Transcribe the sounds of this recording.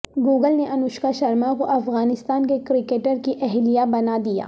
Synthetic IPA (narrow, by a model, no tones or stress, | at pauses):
ɡuːɡəlneʔɐnʊʃkaʃɐɾmakoʔɐfɣaːnɪst̪aːnkekɾɪkeːʈəɾkiʔɛɦlijabɐnad̪ija̰ː